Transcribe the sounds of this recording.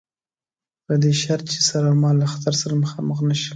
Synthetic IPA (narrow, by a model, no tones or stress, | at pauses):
pəd̪eʃaɾt̪̚t͡ʃe̥saɾamɑlaxḁt̪aɾsaɾaməxɑməxnaʃi̥